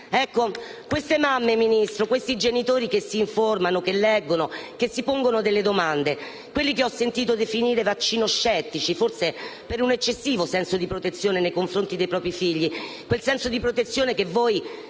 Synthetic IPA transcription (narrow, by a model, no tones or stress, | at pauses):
ɛkːokwest̪emamːeminist̪ɾokwest̪id͡ʒenit̪oːɾikesːiːɱformanokelːɛɡːonokesːipoŋɡonod̪elːed̪omand̪e | kwelːikeɔsːent̪iːt̪̬od̪efiniːɾevat͡ʃːiːnoʃːɛt̪ːit͡ʃiforsepeɾunet͡ʃːesːiːvosɛnsod̪ipɾot̪et̪sːjoːnenejkoɱfɾont̪id̪ejpɾɔːpɾifiʎːi | kwelsɛnsod̪ipɾot̪et̪sːjoːnekevːɔːj